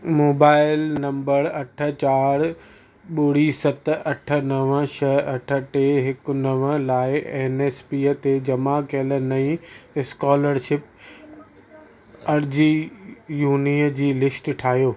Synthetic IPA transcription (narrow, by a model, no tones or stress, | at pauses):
moːbaːɪlnɐ̃mbəɾɐʈʰə̆t͡ɕaːɾ | ɓʊɽ̤iːsɐt̪ɐʈʰə̆nɐʋəʃɐɐʈʰə̆ʈeːɦɪk̆nɐʋlaːɪeːneːspiːət̪ed͡ʑɐmakeːlənɐĩɪskɔːləɾʃɪp | ɐɾd͡ʑijuːniːəd͡ʑiːlɪsʈʈʰaːɦjoː